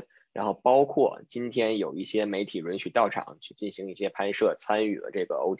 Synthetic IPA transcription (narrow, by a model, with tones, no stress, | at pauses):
ɻa˧˥nxo˥˩ʊpɑ˥ʊkʰwɔ˥˩t͡ɕi˥nt̪ʰjɛ˥njo˨˩ʊi˥˩ɕjɛ˥me˧˥ɪt̪ʰi˨˩ɻwə˧˥nt͡ɕʰy˧˥t̪ɑ˥˩ʊʈ͡ʂʰɑ̰˨˩˦ŋt͡ɕʰy˥˧t͡ɕi˥˩nɕi˧˥ŋi˥˩ɕjɛ˥pʰa˥nʂɤ˥˩t͡sʰa˥ny˥˩lə̰˦ʈ͡ʂɤ˥˩ɡə̰˩o̰˥ʊ